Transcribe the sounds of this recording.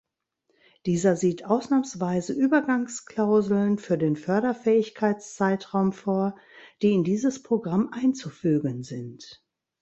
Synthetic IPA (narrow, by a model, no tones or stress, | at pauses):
d̥iːzɐziːtʔaʊsnaːmsv̥aɪzəʔyːbɐɡaŋskl̥aʊzl̩nfyːɐdeːnfœɐɾɐfɛːɪçkʰaɪt͡st͡saɪtʁaʊmfoːɐ | d̥iːɪndiːzəspʁ̥oɡʁamʔaɪnt͡sufyːɡənzɪnt